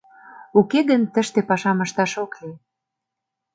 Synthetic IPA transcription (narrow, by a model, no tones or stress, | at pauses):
ukeɣənt̪ə̆ʃt̪epɑʃɑməʃt̪ɑʃokle